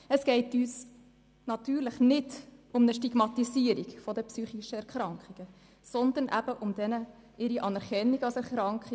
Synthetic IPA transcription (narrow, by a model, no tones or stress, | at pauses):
əsɡ̥ɛɪtyːs | nɑt̪yːɾləχnɪdʊmnəʃtiɡ̥mɑt̪isiəɾiɡfɔd̪əpsyːχiʃəɛɾkɾɑŋkχiɡ̥ə | sɔnd̪ənʔæ̰b̥əʔʊmd̥̪ɛnə | ʔɪɾiʔɑnɛɾχɛnːiɡɑlsɛɾχɾɑŋkχi